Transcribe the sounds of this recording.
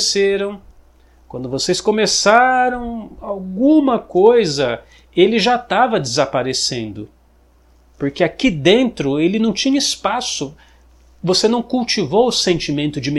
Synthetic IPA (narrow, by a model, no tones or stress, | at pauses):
seɾɐ̃w̃ | kwɐ̃nd̪ʊvoseskõmesaɾɐ̃w̃awɡũmɐkojzɐ | elɪʒat̪avɐd͡ʒ̪ɪzapaɾesẽnd̪ʊ | poɾkeakid̪ẽnt̪ɾʊelɪnɐ̃w̃t͡ʃĩɲɐispasʊ | vosenɐ̃w̃kuwt͡ʃivowʊsẽnt͡ʃimẽnt̪ʊd͡ʒɪm